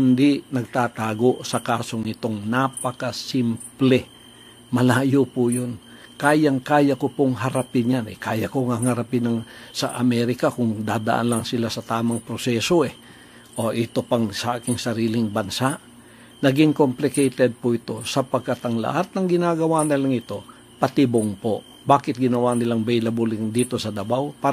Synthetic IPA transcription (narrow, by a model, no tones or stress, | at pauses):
hɪnd̪ɪnɐɡ̚t̪at̪aːɡo̞ʔsɐkaːso̞ŋɪt̪o̞ŋnapɐkɐsimplɛ | mɐlaːjopʊjon | kaːjɐŋkaːjɐkopoŋɦɐɾapɪnjanɛ̰kaːjɐkoŋaŋɐɾɐpɪnɐŋsɐ̰ʔɐ̰mɛɾɪkakʊŋd̪aːd̪ɐ̰ʔa̰nlɐŋsɪlasɐt̪aːmɐŋpɾosɛsoʔɛ | ʔoʔɪt̪o̞pɐŋsɐʔaːkɪŋsɐɾiːlɪŋbɐnsaʔ | nɐɡɪŋkomplɪkɛjt̪ɛd̪̚pʊʔɪt̪o̞sɐpɐɡ̚kːat̪ɐŋlɐ̰hat̪̚nɐŋɡɪnaːɡɐwanɐlaŋɪt̪o̞ | pɐt̪ɪboŋpo | baːkɪt̪̚ɡɪnɐwanɪlaŋbɛjlɐbulɪŋd̪iːt̪o̞sɐd̪ɐbawpa